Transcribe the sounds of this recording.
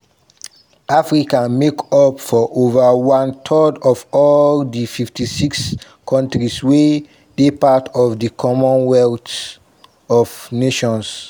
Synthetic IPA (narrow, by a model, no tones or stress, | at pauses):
afɹikãmekɔpfɔʔovəwãntʰɔdɔvɔldififtisiks | kʰɔ̃ntɹiswe | d̥epatʰɔvdikʰɔmɔ̃nwɛlt | ɔvneʃɔ̃ns